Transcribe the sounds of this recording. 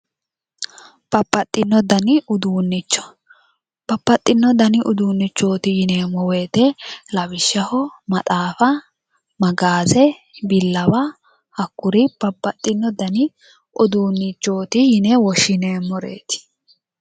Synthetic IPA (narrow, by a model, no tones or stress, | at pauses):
b̥ɐpːɐt̪ʼːɪnːɔd̪ɐnɪʊd̪uːnːɪt͡ʃːɔ̥ | b̥ɐpːɐt̪ʼːɪnːɔd̪ɐnɪʔʊd̪uːnːɪt͡ʃːo̞ːt̪ɪjɪneːmːɔweːt̪ɛlɐβɪʃːɐhɔmɐt̪ʼaːfɐ | mɐɡaːzɛbɪlːɐwɐ | hɐkːʊɾɪb̥ɐpːɐt̪ʼːɪnːɔd̪ɐnɪ | ʊd̪uːnːɪt͡ʃːo̞ːt̪ɪjɪnɛwɔʃɪneːmːɔɾḛːt̪ɪ̥